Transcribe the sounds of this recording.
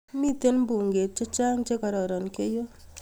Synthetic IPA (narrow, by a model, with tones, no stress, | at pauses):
mi˦te˦nmbu˨ŋɡe˨t̚t͡ʃɔ˦t͡ʃa˦ŋt͡ʃe˦kɔ˨ɾɔ˨ɾɔ˨nke˦jo˦